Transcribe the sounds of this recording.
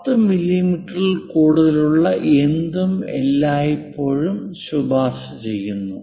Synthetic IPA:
t̪ːɨmilːimiʈːɐrilkuːɽuðɐluɭːɐʔend̪umḛlːaːjipːo̞ːɻumɕubʱaːsɐt͡ɕe̞jːunːu

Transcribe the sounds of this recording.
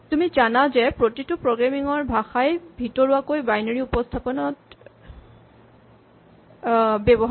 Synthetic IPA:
tumizanazɛpɹotitupɹoɡɹamiŋɔɹbʱaxajbʱitɔɹuakojbajnɔɹiupɔstʰapɔnɔt | bɛbɔɦ

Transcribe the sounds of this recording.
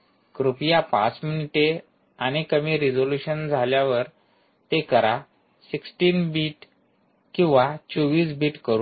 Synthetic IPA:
kɾupjapã̰t͡sminiʈe | añikəmiːɾid͡zoluɕənd͡zʱaljaʋəɾ | t̪ekəɾa | siksʈiːnbiːʈ | kĩw̃ʋat͡ɕoʋiːsbiːʈkəɾuː

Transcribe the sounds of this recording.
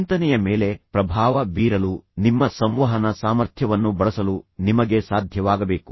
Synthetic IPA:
nt̪ɐnɛjɐme̞ːle̞pɾɐbʱaːʋɐbiːɾɐlunimːɐsɐ̃mʋɐɦɐnɐsaːmɐɾt̪ʰjɐʋɐnːubɐɭɐsɐlunimɐɡe̞saːd̪ʱjɐʋaːɡɐbe̞ːku̥

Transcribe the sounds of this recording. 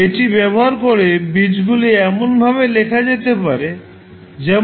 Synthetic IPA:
eʈibɛboɦaɾkoɾebid͡ʑɡuliɛmonbʱaβelekʰad͡ʑet̪epaɾe | d͡ʑɛ

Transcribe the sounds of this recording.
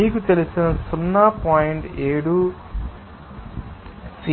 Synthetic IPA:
iːkut̪e̞lisinɐsunːapaːjiɳʈeːɽu | si

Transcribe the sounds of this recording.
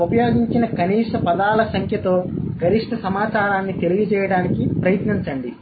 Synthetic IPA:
upɐjo̞ːɡiɲt͡ʃinɐkɐniːʂʈɐpɐd̪aːlɐsɐŋkʰjɐt̪o̞ːɡʱɐɾiʂʈʰɐsɐmaːt͡ʃaːɾaːnːit̪e̞liɡit͡ʃɛːjɐɽaːnikipɾɐjɐt̪niɲt͡ʃɐɳɖi

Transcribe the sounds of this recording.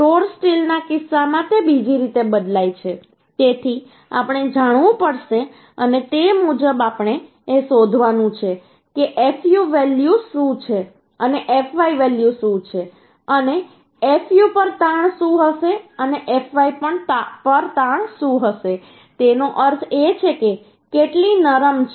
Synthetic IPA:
ʈoɾsʈilnakɪsːamãt̪ebid͡ʒiɾit̪ebəd̪lajt͡ʃʰe | t̪et̪ʰi | a̰pɽ̃ed͡ʒaɽ̃ʋũpəɽʃe | ənet̪emud͡ʒəbapɳ̃eː | sod̪ʱʋanũt͡ʃʰe | keʔefjuʋɛljusũt͡ʃʰe | əneʔefʋaiʋɛljusũt͡ʃʰe | əne | efjupəɾt̪ãɳ̃ʃũɦəʃeəneʔefʋaipəɳtpəɾt̪ãɳʃũɦəʃe | t̪enoʔəɾt̪ʰet͡ʃʰeke | keʈlinəɾəmt͡ʃ

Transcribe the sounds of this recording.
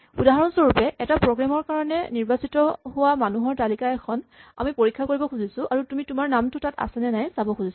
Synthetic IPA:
udaɦaɹɔnsoɹupɛʔɛtapɹɔɡɹamɔɹkaɹɔnɛ̰niɹbasitɔɦʊwamanuɦɔɹtalikaɛkʰɔna̰mipoɹikʰːakoɹibɔkʰuzisʊʔaɹutumitʊmaɹnamtʊtata̰sɛnɛnajsabɔkʰuzis

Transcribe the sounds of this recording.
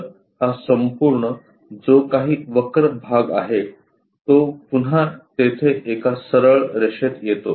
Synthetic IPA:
ɦasəmpuɾɳə | d͡zokaɦiːʋəkɾəbʱaɡa̰ɦe | t̪opun̤at̪et̪ʰeʔekasəɾəɭɾeʂet̪jet̪o

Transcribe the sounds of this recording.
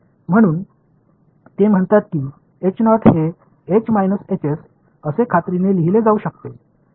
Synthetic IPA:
m̤əɽ̃uːn | t̪em̤əɳt̪at̪̚kiː | et͡ɕnɔʈʰɦe | et͡ɕmajnəset͡ɕes | əsekʰat̪ɾineliɦiled͡zauɕək̚t̪e

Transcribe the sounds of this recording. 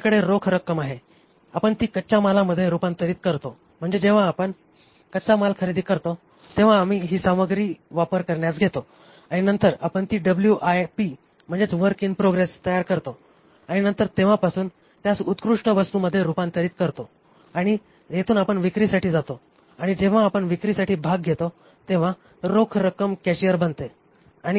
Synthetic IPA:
kəɽeɾokʰɾəkːəmaɦe | apəɳt̪iːkət͡ɕamalaməd̪ʱːjeɾupãnt̪əɾiːt̪̚kəɾt̪o | m̤əɳd͡zed͡ʑeʋ̤aːpəɳ | kət͡samalkʰəɾid̪iːkəɾt̪o | t̪eʋ̤aːm̤iːɦiːsaməɡɾiːʋapəɾkəɾɳjasɡʱet̪o | aɽ̃inənt̪əɾapəɳt̪iːɖəbljuʔajpi | m̤əɳd͡zet͡sʋəɾkiŋɡpɾoɡɾest̪əjaɾkəɾt̪o | aɽ̃inənt̪əɾt̪eʋ̤ãpasuːn | t̪jasut̪kɾuʂʈəʋəst̪uːməd̪ʱːjeɾupant̪ʰəɾiːt̪kəɾt̪o | aɽ̃i | jet̪ʰuːnapəɳʋikɾisaʈʰiːd͡zat̪o | aɽ̃id͡ʑeʋ̤ãːpəɳʋikɾisaʈʰiːbʱaɡ̚ɡʱet̪o | t̪eʋ̤ã | ɾokʰɾəkəmkɛɕijəɾbənt̪e | aɽ̃i

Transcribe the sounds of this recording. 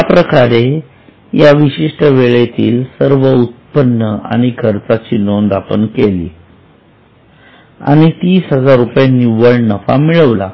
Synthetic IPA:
japɾəkaɾe | jaʋiɕiʂʈəʋeɭet̪iːlsəɾʋəut̪̚pənːəa̰ɽ̃ikʰəɾt͡sat͡ɕiːnond̪apənkelḭː | a̰ɽ̃it̪iːsɦəd͡zaɾːupjaniʋəɭnəfa̰miɭəʋla̰

